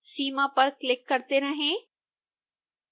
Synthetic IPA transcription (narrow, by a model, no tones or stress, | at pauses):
siːmapɐɾklɪkːɐɾt̪eɾɐɦẽː